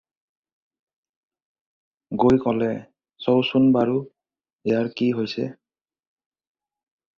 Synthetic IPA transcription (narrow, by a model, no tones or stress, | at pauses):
ɡojkɔlɛ | sowsunbaɹu | ɛjaɹkiɦojsɛ̰